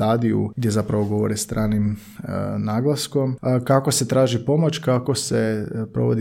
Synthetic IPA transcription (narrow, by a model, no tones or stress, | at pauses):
aːd̪iṵɡd̪je̞zapɾaʋo̞ɡo̞ʋo̞̰ɾest̪ɾʔaːnim | naːɡlˠasko̞mkakose̞t̪ɾaːʒipo̞mot͡ɕkako̞sepɾo̞̰ʋod̪i